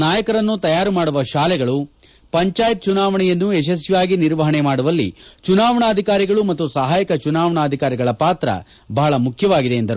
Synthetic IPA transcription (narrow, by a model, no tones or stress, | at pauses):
naːjɐkɐɾɐnːut̪ɐjaːɾumaːɽuʋɐʃaːlɛɡɐɭu | pɐɲt͡ʃaːjɐt̪̚t͡ʃunaːʋɐɳɛjɐnːuɛʃ̬ɐs̬jaːɡiniɾʋɐɦɐɳemaːɽuʋɐlːḭt͡ʃunaːʋɐɳɐːd̪ʱikaːɾiɡɐɭumɐt̪ːusɐɦaːjɐkɐt͡ʃunaːʋɐɳɐːd̪ʱikaːɾiɡɐɭɐpaːt̪ɾɐ̰ | bɐɦɐɭɐmukʰjɐʋaːɡid̪e̞ːnd̪ɐɾu